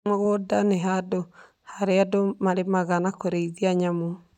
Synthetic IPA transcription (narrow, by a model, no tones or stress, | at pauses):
oɣodaneɦado | haɾeadomaɾemaɣanakoɾeiðiaɲamo